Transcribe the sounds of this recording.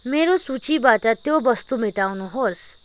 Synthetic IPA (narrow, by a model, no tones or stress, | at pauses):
meɾosut͡sibaʈʌt̪jobʌst̪umiʈawnuɦos